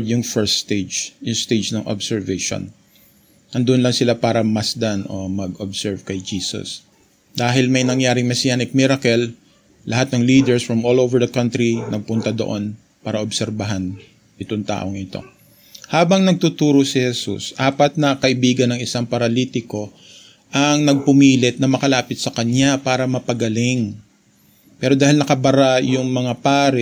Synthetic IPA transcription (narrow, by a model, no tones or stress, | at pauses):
d̪jʊŋfɛɹst̪ed͡ʒjʊŋst̪ejd͡ʒnɐŋʔo̰bsɛɹvɛjʃo̰n | ɐnd̪oʔonlɐŋsɪlapaːɾɐmɐsd̪anʔomɐɡobsɛɹvkɐjd͡ʒiːsɐ̰s | d̪aːɦɪlmɐjnɐŋjaːɾɪŋmɛsɪjaːnɪk̚mɪɾɐkɛlː | ʔɐhat̪̚nɐŋliːd̪ɛɹsfɹɐmolovɛɹd̪ɐkɐ̃nt̪ɾinʔɐɡ̚pʊnt̪ad̪o̞ʔo̞n | paːɾɐʔobsɛɾbɐɦan | ʔɪt̪oŋt̪a̰ːʔo̞ŋɪt̪o̞̰ | haːbɐŋnɐɡ̚t̪ut̪uːɾosɪhɛsṵsʔaːpɐt̪̚nɐkɐʔɪbiːɡɐnɐŋɪsaŋpɐɾɐliːt̪ɪko̞ | ʔɐŋnɐɡ̚pʊmiːlɪt̪̚nɐmɐkɐlaːpɪt̪̚sɐkɐɲapaːɾɐmɐpɐɡɐlɪŋ | pɛːɾo̞d̪aːhɪlnɐkɐbɐɾajʊŋmɐŋapaːɾɛ